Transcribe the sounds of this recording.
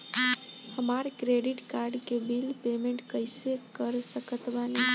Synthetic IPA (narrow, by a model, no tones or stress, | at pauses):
həmaɾkɾeɖiʈkaɾɖkebilpemeɳʈkəjsekəɾsəkət̪bali